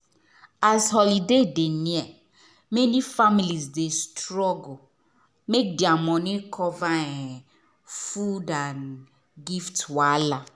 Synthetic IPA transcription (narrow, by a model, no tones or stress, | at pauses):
azhɔlidedeniɛ | menifamilizdestɾɔɡo | mek̚diamɔ̃nɪkʰɔvaɛ | fudan | ɡiftwala